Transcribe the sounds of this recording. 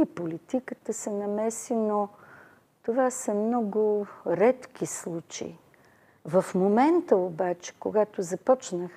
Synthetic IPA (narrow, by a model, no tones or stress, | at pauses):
ipolit̪ikət̪əsɛnɐmɛsino | t̪ovasəmnɔɡʊɾɛt̪k̟islˠut͡ʃḛḭ | vɐfmomɛnt̪əobat͡ʃɛ̥koɡat̪ozɐpɔt͡ʃnəx